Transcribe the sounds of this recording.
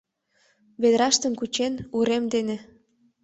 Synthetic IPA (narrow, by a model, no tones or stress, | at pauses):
βed̪ɾɑʃt̪ə̆mkut͡ɕenuɾemd̪enĕ